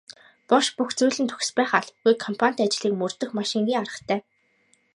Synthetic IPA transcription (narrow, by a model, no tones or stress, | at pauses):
pɔʃpuxt͡sujɮɘ̆nt̪ʰɵ̥x̆spæːχaɮɡujkʰːɔmpʰan̥ʲt̪at͡ɕ̆ɮiːkmɵrt̪ɵ̆xmaʃɪ̆ŋɡʲiːŋaɾə̆t̪ʰæː